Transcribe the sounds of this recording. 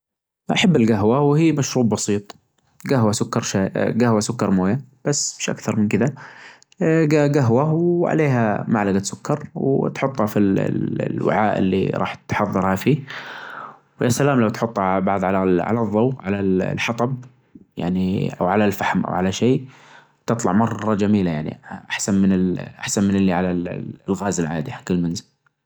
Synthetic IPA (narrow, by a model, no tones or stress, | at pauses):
ʔaħabːɪlɡaɦwawhiːmaʃɾuːbbɑsiːt̪ˤ | ɡaɦwasʊkːɑɾˤʃaːɡahwasʊkːɑɾˤmoːjab̥asːmɪʃʔa̰kθɑɾˤmɪnkɪða | ɡaɡaɦwawʕa̰leːɦa̰ma̰ʕlaɡat̪sʊkːɑɾˤwt̪ħʊt̪ˤːhɑfil̰lwɪ̰ʕaːʔɪ̰lːḭɾˤɑ̰ːħt̪ħɑðˤːɨɾˤhafiː | wjasalaːmlawt̪ħʊt̪ˤːhɑʕabɑʕðˤʕalaʕa̰lɑðˤːɑwʕalallħɑt̪ˤɑb | ja̰ʕniʔa̰wʕalalfaħmʔa̰wʕalaʃeː | t̪ɨt̪ˤlɑ̰ʕmɑrˤːɑd͡ʒamiːlajaʕnḭʔaħsanmɪnɪlʔa̰ħsanmɪnɪlːiʕalalɣaːzɪlʕa̰ːd̪ihakɪlːmanzɪl